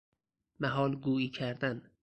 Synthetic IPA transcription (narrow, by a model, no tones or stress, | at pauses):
mæɦɒːlɡuːiːcʰæɾd̪æn